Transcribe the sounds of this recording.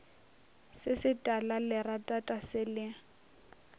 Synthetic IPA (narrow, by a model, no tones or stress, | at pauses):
sɪsɪtʼalalɪratʼatʼasɪlɪ